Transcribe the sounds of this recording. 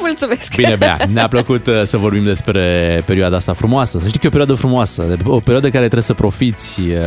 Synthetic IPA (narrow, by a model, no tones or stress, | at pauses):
mult̪sumeskbineba̰neapləkut̪səvo̞rbimd̪e̞spɾe̞pe̞ɾiuad̪aast̪afɾumoasəsəʃt̪ikeopeɾiwad̪əfɾumoasəeopeɾioad̪əkaɾe̞t̪ɾessəpɾo̞fit̪sʲ